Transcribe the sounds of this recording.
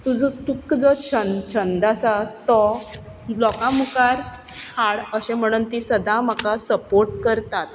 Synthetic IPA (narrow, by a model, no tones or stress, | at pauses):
t̪ud͡zət̪ukd͡zɔɕənt͡ɕʰənd̪asat̪ɔ | lɔkãmukaɾhaɽəɕẽm̤əɽ̃uːnt̪isəd̪ãm̤akasəpoɾʈkəɾt̪at̪̚